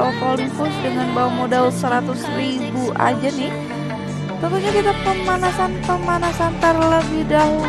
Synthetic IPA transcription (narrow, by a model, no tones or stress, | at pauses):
okolimpʊsdəŋanbawamodɛlsəɾat̪ʊsri | buʔa̰d͡ʒanɪh | t̪ənt̪uɲakit̪apəmanasanpəmanasant̪ərləbɪhdaɦu